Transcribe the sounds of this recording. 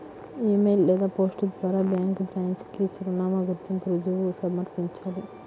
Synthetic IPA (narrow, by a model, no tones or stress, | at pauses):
eːmejlːɛːd̪aːpoːsʈɐd̪ʋaːɾaːbjaːŋkbɾaːnskit͡ʃuɾɐnaːmɐɡuɾt̪ːimpɾud͡ʒuʋusɐmɐɾpiɲt͡ʃaːli